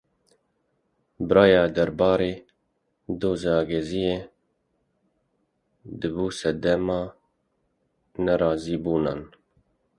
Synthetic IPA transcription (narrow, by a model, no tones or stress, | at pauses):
bɨɾɑːjɑːd̪ɛɾbɑːɾeː | d̪oːzɑːɡɛzijeː | d̪ɨbuːsɛd̪ɛmɑː | nɛɾɑːziːbuːnɑːn